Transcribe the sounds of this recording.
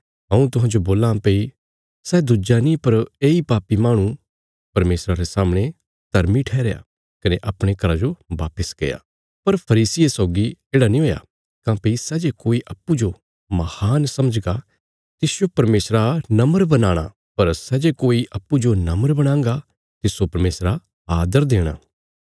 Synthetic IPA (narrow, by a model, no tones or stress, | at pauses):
ɦɐ̃ũt̪ʊɦãːd͡ʒoboːlãpei | sɛːd̪ʊd͡ʒanĩpɐɾeːipaːpimaːɽ̃ũ | pɐɾmeːsɾaɾesaːmɽ̃e | d̪̥ʱɐɾmiʈʰɛːɾeja̰ | kɐneʔɐpɽ̃ekɐɾad͡ʒoʋa̰ːpəskḛːja̰ː | pɐɾpʰɐɾiːsɪesɔːɡieːɽanĩɦoːja̰ | kãːpisɛːd͡ʒekoːiʔɐpːud͡ʒo | mɐhaːnsɐməd͡ʒɡa | t̪ɪsjopɐɾmeːsɾanɐməɾbɐnaːɽ̃a̰ | pɐɾsɛːd͡ʒekoːiʔɐpːud͡ʒonɐməɾbɐɽ̃ãːŋɡa | t̪ɪsopɐɾmeːsɾa | aːd̪əɾd̪eːɽ̃a̰ː